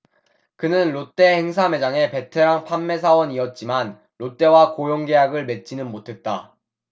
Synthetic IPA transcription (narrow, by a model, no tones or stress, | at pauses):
kɯnɯnɾot͈e̞he̞ŋsʰame̞d͡ʑaŋe̞pe̞tʰeɾaŋpʰanːe̞sʰawʌniʌt̚t͡ɕ͈iman | ɾot͈e̞wakojoŋɡe̞jaɡɯɭme̞t̚t͡ɕ͈inɯnmotʰe̞t̚t͈a